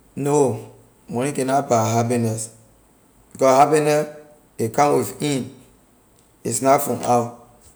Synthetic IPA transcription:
no | mɔnikɛ̃napaɦapinɛs | bikɔhapinɛ | ekãnwifĩn | isnafɔ̃mawt

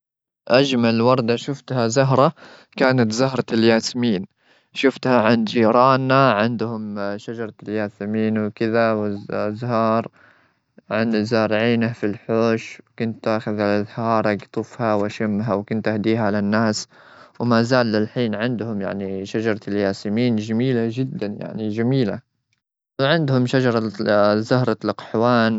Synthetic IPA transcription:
ʔad͡ʒmalwɑɾˤd̪aʃʊft̪hazʊɦɾˤɑ | kaːnat̪zaɦɾˤɑljaːsmiːn | ʃʊft̪haʕand͡ʒiːɾˤɑːnːaʕɪnd̪hʊmʃad͡ʒɑɾˤɑljaːsɪmiːnwkɪðawɪzɦɑːɾˤ | ʕanzaːɾʕiːnafilħoːʃwkʊnt̪ʔaːxaðalʔaðhɑːɾˤɑɡt̪ˤʊfhawʔaʃɪmːɦawkʊnt̪ʔahd̪iːɦaʕalanːaːs | wmazaːlːɪlħiːnʕɪnd̪hʊmja̰ʕniʃad͡ʒɑɾˤɑljaːsɪmiːnd͡ʒamiːlad͡ʒɪd̪ːanja̰ʕnid͡ʒamiːla̰ | wʕɪnd̪hʊmʃad͡ʒɑɾˤɑzahɾˤɑlqħwaːn

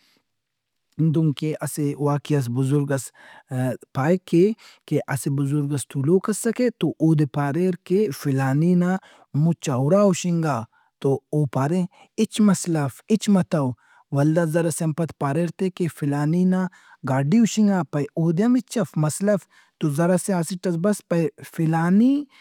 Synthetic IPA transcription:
nd̪uŋkeʔɐsewaːkiɐs̬bʊzʊɾɡɐs | paːjkekeʔɐsebʊzʊɾɡɐst̪ʰuloːkɐsɐket̪oʔoːd̪epaːɾeɾkefilaːnina | mut͡ʃawɾaːuʃiŋɡaː | t̪ooːpaːɾẽ | it͡ʃmɐslɐfit͡ʃmɐt̪ɐw | wɐld̪azɐɾaseɐmpɐt̪paːɾeɾt̪ekefilaːnina | ɡaːɖiuʃiŋɡaːpɐjoːd̪eɐmit͡ʃɐfmɐslɐf | t̪ozɐɾaseaːsiʈɐsbɐspɐjfilaːni

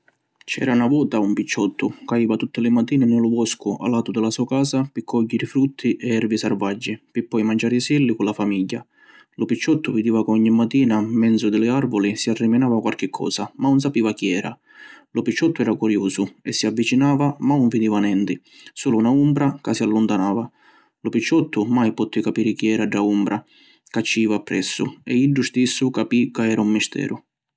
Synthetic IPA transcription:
t͡ʃɛ̰ːɾaunavɔːt̪aumpit͡ʃːɔt̪ːʊkaiːvat̪ut̪ːɪlɪmat̪ːiːnɪnɪlʊbɔskʊʔa̰lːaːt̪ʊd̪ɪlasuːakaːsapɪkʰːɔɟːɪɾɪfɾut̪ʰːiʔɛɛɾvisarvad͡ʒːipɪpːɔjmand͡ʒaːɾisɛlːikʊlafamiɟːa | lʊpit͡ʃːɔt̪ːʊvɪd̪iːvakɔɲːimːat̪ːiːnamɛnd̪zʊd̪ɪlɪarvʊlisiarːɪmɪnaːvakwalk̟ɪkʰːɔ̰ːsamanʊns̬apiːvakiɛːɾa̰ | lʊpit͡ʃːɔt̪ːʊɛːɾakuɾjuːsʊɛsːiavːit͡ʃinaːvamauɱvid̪iːvanɛnt̪ɪ | suːlunaumbɾakasialːʊnt̪anaːva | lʊpit͡ʃːɔt̪ːʊmajpɔt̪ːɪkapiːɾɪkiɛːɾaɖaumbɾa | kat͡ʃːiːvapːɾɛsːʊ̰ɛ̰iɖːust̪isːʊkapikaɛːɾaumːist̪ʰɛ̰ːɾʔʊ

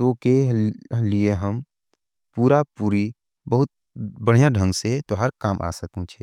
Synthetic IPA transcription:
t̪okelieɦəm | puːɾapuːɾi | bəɦʊt̪̚ | bəɽ̤ijãɖʱə̃ŋɡset̪oɦəɾkaːmʔa̰ːsəkũt͡ʃʰɛː

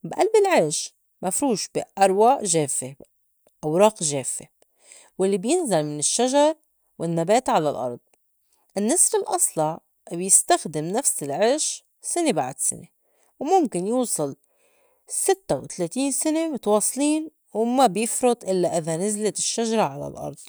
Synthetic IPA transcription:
bʔalbɪlʕeːʃ | mafɾuːʃb̥iʔɑɾˤwaːʔʒeːfe | ʔawɾˤɑːqʒeːfːe | wɪlːibjɪnzalmɪnɪʃːaʒɑɾˤ | wɪnːabeːt̪ʕalalʔɑ̰ɾˤd̪̥̚ˤ | ʔɪnːɪsˤɾɪlʔɑsˤlɑʕ | bjɪst̪axd̪ɪmnafsɪlʕɪɾʃ | sɪnebaʕd̪sɪ̰ne | wmʊmkɪnjuːsˤɨl | sɪt̪ːawt̪aleːt̪iːnsɪnemʊt̪wɑːsˤliːn | wmabjɪfɾʊt̪ˤʔɪlːaʔɪðanazlat̪ɪʃːaʒɑɾˤɑʕala̰lʔɑ̰ɾˤd̪̚ˤ

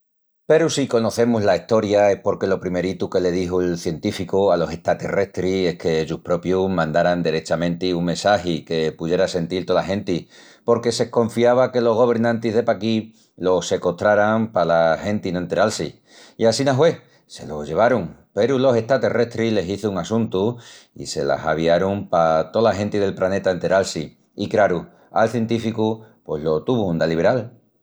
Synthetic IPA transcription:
pe̞ɾusiko̞no̞θe̞muzlaiht̪o̞ɾjae̞hpo̞ɾke̞lo̞pɾime̞ɾit̪uke̞le̞ð̞iɦoelθje̞nt̪ifikualo̞se̞ht̪at̪e̞̰re̞ht̪ɾie̞hke̞ʝuhpɾo̞pjumãnd̪aɾand̪eɾe̞t͡ʃamẽ̞nt̪iuŋmensaɦike̞puðje̞ɾase̞nt̪ilt̪o̞laɦẽ̞nt̪i | po̞ɾke̞se̞kõ̞ɱfiaβake̞lo̞ɦɣ̞o̞β̞e̞ɾnãnt̪izðe̞paki | lo̞se̞ko̞t̪ɾaɾaŋpalahe̞nt̪inont̪eɾalsḭ | iasinaɦwe̞ | se̞̰lo̞ʝe̞β̞aɾuŋpe̞ɾulo̞se̞ht̪at̪e̞re̞ht̪ɾile̞siθuuŋasũnt̪uḭse̞̰la̰sa̰β̞iaɾumpat̪o̞laɦe̞nt̪ið̞e̞lplane̞t̪aent̪eɾalsi | ikɾaɾu | a̰lθje̞nt̪ifikupwe̞ɦlo̞t̪uβuund̪aliβeɾal

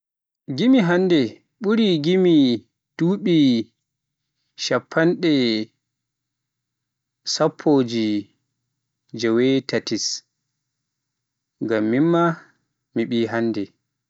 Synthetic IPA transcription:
ɡimiɦandɛ | ɓuɾiɡimi | d̥uːɓi | ʃapʰːanɗɛ | sapʰːoːd͡ʒi | d͡ʒɛwɛtatis | ŋɡamːimːa | miɓiːɦanːdɛ

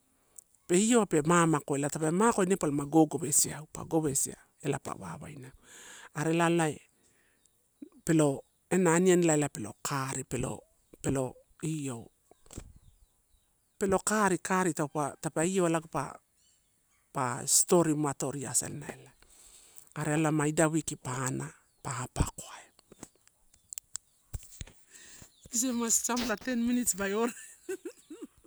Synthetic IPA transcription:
pe̞io̞ape̞mamako̞elatapemako̞jnepalomaɡo̞ɡo̞βe̞siaupa̰ɡo̞βe̞sḭa̰ | e̞lapa̰βa̰βa̰jnaaɾe̞lalae | pe̞lo̞ | enaːnianlaelape̞lo̞̰kʰaɾipe̞lo̰ | pe̞lo̞ | io̞ | pelo̞kaɾikaɾitawpatapaio̞laɡupa̰ | paisto̞ɾimuato̞ɾia̰sḛllaela | aɾealamaidawikipana | paapakoae | is̬emast͡ʃamlate̞nminitsbajoɾa

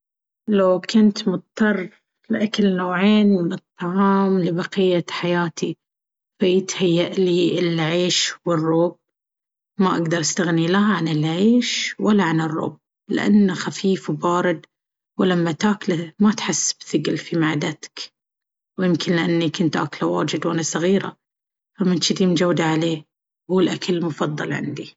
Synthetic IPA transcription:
lawkʰʊnt̪mʊt̪̚ˤt̪ːɑrˤː | lɪʔakalnoːʕeːnmɪnɨt̪ˤːɑʕɑːmlɪbɑqɪjːaħajaːt̪ʰi | fajɪt̪hajːaʔliːʔɪlʕeːʃwɪrˤːoːb̚ | maʔaɡd̪ɑɾˤʔast̪aɣnilahʕanɪlʕeːʃwalːaʕanɨrˤːo̰ːb̚ | lɪ̰ʔa̰nːaxafiːfwbaːɾɪd̪ | wlamːat̪aːklamat̪ħasːbθɪɡɪlfimaʕd̪at̪k | wjɪmkʰɪnlɪʔanːikʊnt̪ʔa̰ːklawa̰ːd͡ʒɪd̪wʔanasˤɑɣiːɾa̰ | famɪnʃɪd̪iːmd͡ʒawːd̪aʕaleː | huːlʔakʰalmʊfɑðˤːɑ̰lʕɪ̰nd̪i

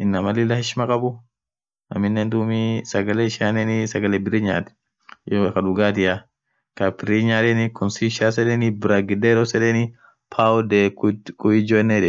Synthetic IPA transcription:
ʔɪnːɐmɐlɪlɐhɪʃmɐkʼɐbʊ | ɐ̰mɪnːeːnd̪uːmisɐɡɐleːɪʃaːnɛnɪsɐɡɐlebɪriɲa̰ːt̪ɛ̥ | jokɐᶑʊɡaːt̪ɪja | kɐpɪriɲaːd̪ɛnɪkɔnsiʃaːsɛdɛnɪbɪɾaɡɪd̪eːɾɔsɛdɛnɪ | pʰaːʊd̪ekkʊɪd͡ʒoːɛnːeːᶑɛ

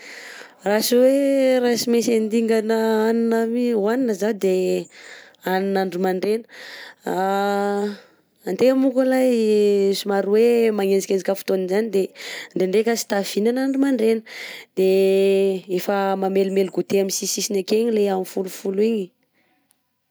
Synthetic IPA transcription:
rasuweɾasimesend̪iŋɡanəaninamiwaninəzad̪e | aninaɳɖ͡ʐumaɳɖ͡ʐenə̥a | ant̪eamukulajsumaɾuwemaŋed͡zikend͡ʒikəfu̥t̪oninzanid̪eɳɖ͡ʐeɳɖ͡ʐekəsi̥t̪av̥inanaɳɖ͡ʐumaɳɖ͡ʐenəd̪̥e | efəmamelmeluɡut̪eaminsisisinakeɲileamifulufuluiɲi

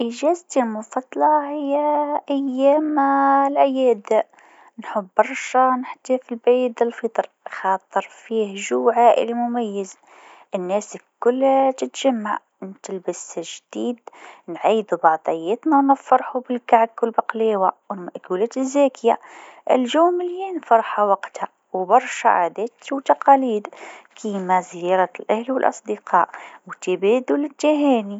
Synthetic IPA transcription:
ʔɪʒæːzt̪ilmʊfɑt̪ˤːlɑhɪjːaʔajːæːmlʔajæːd̪a | nħʊbːɑɾˤʃanɪħt̪ifilbʕiːd̪ɪlfit̪ˤɾ | xɑːt̪ˤːɨɾˤfiːhʒuːʕaʔɪ̰limʊmajːɪz | ʔɪnːæːskʊlːt̪ɪt̪ʒ̥amːaʕ | nt̪ɪlbɪsʒd̪̥iːd̪nʕiːd̪ubɑʕt̪ˤɑjːɪt̪nanɪfːɑɾˤħubɪlkaʕkːʊlbaqleːwawɪnmaʔkuːleːt̪ɪzːeːkjaʔɪ̰lʒuːmɪljinfɑɾˤħawɑqt̪ha | wbɑɾˤʃa̰ʕa̰ːd̪eːt̪wt̪ɑqɑːliːd̪kʰiːmazjɑːɾˤɑlʔahlwɪlʔɑ̰sˤd̪ɪqɑ̰ːʔwt̪ɪbiːd̪ulɪt̪ːiɦeːni

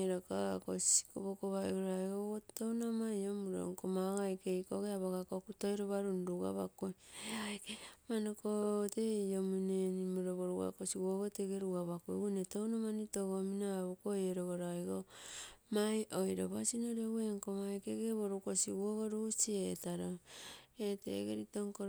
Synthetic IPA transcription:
ɾakakosi̥koβokoβaiɡoɾajɡootownamajomuɾo̰ŋkomaɡajkejkoɡeaβaɣakokutojɾoβaɾunɾuɡa̰βa̰kojajkemanokoteiomunenimoɾoβoɾuɡa̰kosiwoɡoteɡeɾuɡaβakoɡunetownamanitoɡominaβukojeɾoɡoɾajɡomajʔojɾo̰βasinoɾeweŋkomajkeɡeβoɾukosiwoɡoɾusietaɾoetḛɡḛɾitoŋko

